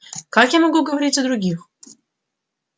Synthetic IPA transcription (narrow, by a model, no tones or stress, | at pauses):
kakjamɐɡuɡəvɐɾʲitʲɐd̪ɾʊɡʲix